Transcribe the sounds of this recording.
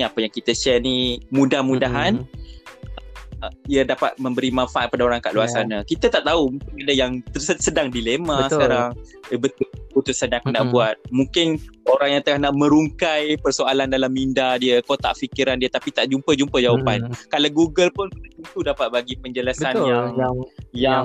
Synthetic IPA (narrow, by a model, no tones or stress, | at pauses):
iapəjaŋkit̪əʃɛrnimũdahmudaɦan | iədapa̰t̪̚mə̃mbəɾimãnfaʔat̪̚padaoɾaŋka̰ʔluasanakit̪ət̪aʔt̪aumuŋkɪnadəjaŋt̪əsədaŋdilemasəkaɾaŋbət̪ulput̪usanãkunaʔbuat̪̚mũŋkɪnoɾaŋjaŋt̪əlahnaʔmə̃ɾuŋkajpərsoalandalamindadiəkot̪a̰ʔfikiɾandiət̪apit̪aʔd͡ʒumpəd͡ʒumpəd͡ʒawapankalawɡuɡəlpʊnkut̪at̪unt̪udapat̪̚baɡipəɲd͡ʒəlasanjaŋajaŋ